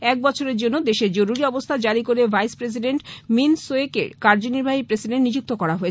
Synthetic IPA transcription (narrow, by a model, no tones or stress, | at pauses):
ɛk̚bɔt͡ɕʰoɾeɾd͡ʑonːod̪eʃeɾd͡ʑoɾuɾiɔbost̪ʰad͡ʑaɾikoɾebʱajspɾes̬iɖeɳʈminsoekḛɾkaɾd͡ʑoniɾbʱaɦipɾesiɖenʈnid͡ʑuk̚t̪okɔɾaɦoet͡ɕʰ